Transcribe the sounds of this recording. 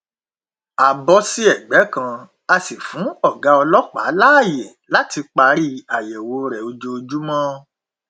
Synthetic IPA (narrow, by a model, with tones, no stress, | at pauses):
a˨bɔ˧si˦ɛ˦˨ɡ͡bɛ˨˦kã˧ | a˧si˨fũ˨˦ɔ˦˨ɡa˨˧˦ɔ˧lɔ˦k͡pa̰˨˦la˦a˦˨jɛ˨la˨˦ti˧k͡pa˧ɾi˦a˨jɛ˨wo˨˦ɾɛ˨o˧d͡ʒo˧o˧d͡ʒu˦mɔ̃˦